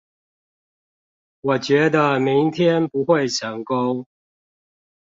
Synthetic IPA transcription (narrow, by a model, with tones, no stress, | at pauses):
wɔ˨˩t͡ɕɥɛ˨˦d̪ə˧mi˨˦ŋt̪ʰjɛ˦˥npu˨˦xwe˥˨ɪt͡ɕʰjɑ˨˥ŋko˦ʊ